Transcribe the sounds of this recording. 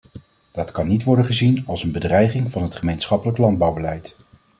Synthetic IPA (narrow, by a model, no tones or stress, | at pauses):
d̥ɑtkɑnːitʋɔɹdənχəzinɑlˠsənbədrɛjχɪŋvɑnɦətχəmejnsχɑpələklɑnd̚bɑwbəlɛjt